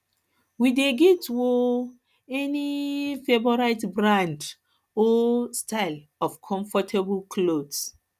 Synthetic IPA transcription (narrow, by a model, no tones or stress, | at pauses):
wideɡɛtwo | ɛnifebɔɾaɪtbɹãnd | ɔstaɪl | ɔfkʰɔ̃ɱfɔtʰeblkʰlods